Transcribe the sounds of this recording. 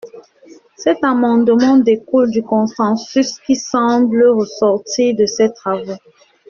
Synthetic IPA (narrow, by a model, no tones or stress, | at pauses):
sɛt̪amɑ̃d̪əmɑ̃d̪ekuld̪ykɔ̃sɑ̃syskisɑ̃bləʁəsɔʁt̪iːʁd̪əsɛt̪χavo